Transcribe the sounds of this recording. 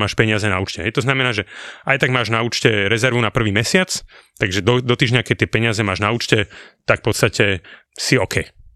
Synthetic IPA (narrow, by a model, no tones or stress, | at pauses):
maːʃpɛɲɪazɛna̰uːt͡ʃcɛ̰ɦɛjt̪ɔznamɛnaːʒɛʔajt̪aɡmaːʒnauːt͡ʃcɛɾɛzɛɾʋunapr̩ʋiːmɛsɪat͡st̪aɡʒɛd̪ɔd̪ɔt̪iːʒɲakɛc̚t̪ːɪɛpɛɲɪazɛmaːʒnauːt͡ʃcɛt̪akfpɔt̪st̪acɛ | siɔkʰɛj